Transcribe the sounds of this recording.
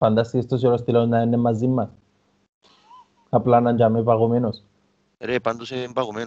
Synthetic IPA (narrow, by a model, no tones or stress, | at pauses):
pand̪asiest̪osʝolost̪ilawznaenemːazðimːas | aplanaɲd͡ʒamepaɣomenos | eɾepand̪oseempaɣomen